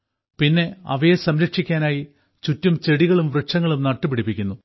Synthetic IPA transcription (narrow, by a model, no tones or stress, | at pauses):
pinːe̞ɐ̰ʋɐjesɐmɾɐkʂikʲːaːnaːji | t͡ɕutːumt͡ɕe̞ɽiɣɐɭumʋrɨʂɐŋːɐɭumnɐʈːɨpiɽipːikʲːunːu